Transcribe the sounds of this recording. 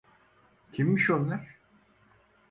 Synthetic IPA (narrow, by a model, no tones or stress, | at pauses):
cʰimːiʃonlˠaɾ̥